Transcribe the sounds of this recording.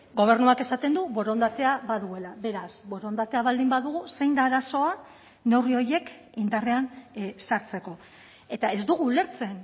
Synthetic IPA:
ɡo̞β̞e̞rnuake̞sat̪e̞nd̪uβo̞ɾo̞nd̪at̪e̞aβaðue̞laβe̞ɾasβo̞ɾo̞nd̪at̪e̞aβald̪imbaðuɣuse̞jnd̪aːɾaso̞a | ne̞wrio̞je̞k | ind̪are̞ansaɾt͡se̞ko̞ | e̞t̪ae̞zd̪uɣ̞uːle̞ɾt͡se̞n

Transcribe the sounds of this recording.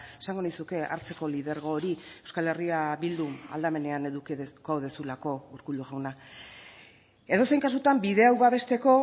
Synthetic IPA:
esaŋɡo̞nijsuke̞a̰ɾt͡se̞ko̞liðe̞ɾɣ̞o̞ːɾiewskale̞riaβild̪ua̰ld̪ame̞ne̞ane̞ðukeðkawðe̞sulako̞uɾkuluɣawna | e̞ðo̞se̞jŋkasut̪ambiðe̞awβaβe̞st̪e̞ko̞

